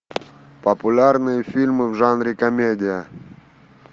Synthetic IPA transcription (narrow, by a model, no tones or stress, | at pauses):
pəpʊlʲarnɨjəfʲilʲmɨvʐanɾʲɪkɐmʲedʲɪjə